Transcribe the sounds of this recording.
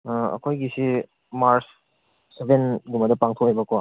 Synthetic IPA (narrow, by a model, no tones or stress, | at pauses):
ɐ̰kʰojɡisi | maɾs | sebenɡumɐdɐpaŋtʰoejbakoa